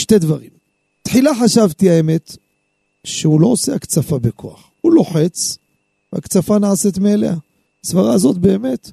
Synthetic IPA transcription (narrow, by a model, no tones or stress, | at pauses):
ʃte̞d̪vaʁim | t̪ħilaħaʃavt̪iaeme̞t̪ | ʃeulo̞oseakt͡safabekʰo̞̰aχ | ulo̞ħe̞t͡s | vea̰kt͡safanaaset̪meːlḛhaː | svaʁaːzo̞t̪be̞ːme̞t̪